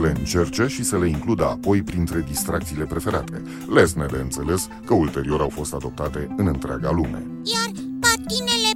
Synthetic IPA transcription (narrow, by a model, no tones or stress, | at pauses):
le̞ɨnt͡ʃe̞rt͡ʃe̞ʃisəle̞iŋklud̪əapo̞jpɾint̪ɾe̞d̪ist̪ɾʔakt̪siːle̞pɾe̞fe̞ɾat̪ʰe̞̰ | lesned̪eɨnt̪se̞le̞s | kəult̪e̞ɾio̞ɾawfo̞st̪ad̪o̞p̚t̪at̪e̞ɨnɨnt̪ɾea̰ɡalume̞̰ | jarpat̪inele